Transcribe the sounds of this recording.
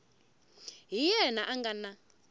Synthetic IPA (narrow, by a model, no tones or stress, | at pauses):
ɦijɛnaʔaŋɡana